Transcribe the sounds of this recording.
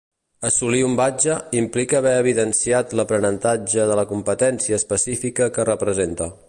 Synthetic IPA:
əsuliumbad͡ʒəimplikəːβɛəβiðənsiat̪ləpɾənənt̪ad͡ʒəðələkumpət̪ɛnsiəːspəsifikəkərəpɾəzent̪ə

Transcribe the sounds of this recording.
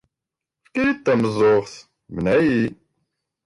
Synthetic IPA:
fkiɾit̪ːæməzˤoʁθ | mənæji

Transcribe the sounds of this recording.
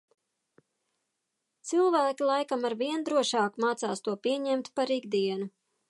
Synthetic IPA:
t̪silˠvæːkʲilˠajkamaɾviɛnd̪ɾuɔʃɑːkmaːt̪sa̰ːst̪uɔpiɛɲɛmt̪paɾiɡd̪iɛnu

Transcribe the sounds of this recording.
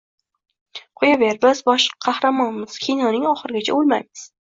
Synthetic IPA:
qʰʊjaveɾbɪzbɒʃqʰɑhɾamɒnmɪz̥kʲʰijnɒnɪŋɒχɨɾɪɡʲat͡ʃʰa̰olˠma̰jmɪz̥

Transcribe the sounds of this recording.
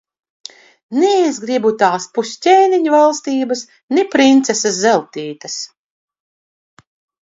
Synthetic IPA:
nɛezɡɾibut̪aːspusʲtʲɛːniɲuvalˠst̪iːbɐs | nɛpɾint̪sesaszɛlˠt̪iːt̪ɐs

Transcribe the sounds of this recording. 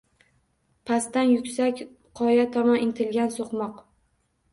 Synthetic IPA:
pʰast̪anjʊkʲsakʲ | qʰɒjat̪ʰɒmɒnɪnt̪ʰɪlɡʲansoqmɒq

